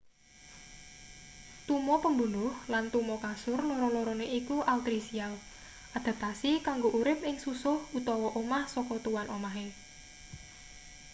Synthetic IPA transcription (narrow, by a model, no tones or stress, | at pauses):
t̪umɔpəmbunʊhlant̪umɔkasʊrlɔɾɔlɔɾɔneikuʔaut̪ɾisial | ʔad̪̥a̤t̪asikaŋɡoʔuɾɪp̚ɪŋsusʊhut̪ɔwɔʔomahsɔkɔt̪uwanʔomaɦe